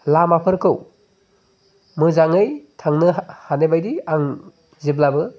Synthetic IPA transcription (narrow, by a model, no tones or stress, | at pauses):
lamapʰɯɾkʰɯw | mɯzaŋɯjtʰaŋnɯhanebajdiaŋ | ziblabɯ